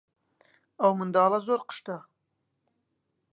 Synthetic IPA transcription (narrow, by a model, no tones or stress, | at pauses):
ɐwmɨnd̪ɑːlˠɐzoːɾqə̥ʃt̪ɐ